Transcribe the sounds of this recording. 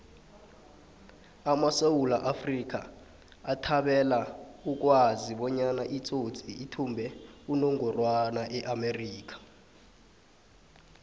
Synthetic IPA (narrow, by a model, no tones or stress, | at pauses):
amasewulaʔafrik̬ʼaː | tʰaɓɛlauk̬ʼwaziɓɔɲanaʔit͡sʼot͡sʰʼiːtʰumbʱɛunoŋɔrwanaʔɛʔameriːk̬ḁ